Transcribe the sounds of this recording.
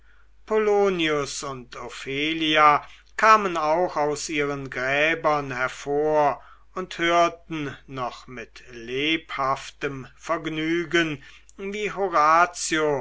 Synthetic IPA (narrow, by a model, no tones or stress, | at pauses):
pʰoloːniʊsʊntʰofeːlia | kʰaːmənaʊxaʊsʔiːʁənɡʁɛːbɐnhɛɐfoːɐ | ʊnthøːɐtn̩nɔχmɪtleːphaftəmfɛɐɡnyːɡən | viːɦoʁaːt͡sjo